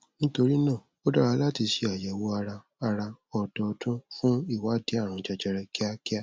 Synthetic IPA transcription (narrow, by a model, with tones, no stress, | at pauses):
nĩ˦to˧ɾi˦nã˦˨ | o˦da˦ɾa˧˦la˦ti˧ʃi˧a˨jɛ˨wo˧˦a˧ɾa˧ | a˧ɾa˧ɔ˨dɔ˨˧tũ˦fũ˦i˦˨wa˦de˦a˦˨ɾ̃ã˨d͡ʒɛ˧d͡ʒɛ˧ɾɛ˧ki˦a˦ki˦a˦